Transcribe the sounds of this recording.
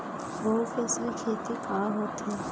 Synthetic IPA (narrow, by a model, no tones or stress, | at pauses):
boːfʰɛːslikʰeːt̪ikaːɦoːt̪ɦɛː